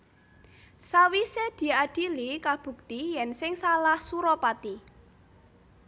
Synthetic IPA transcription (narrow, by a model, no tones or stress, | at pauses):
sawised̪̥i̤aɖ̥i̤likab̥ṳk̚t̪ijɛnsɪŋsalahsuɾɔpat̪i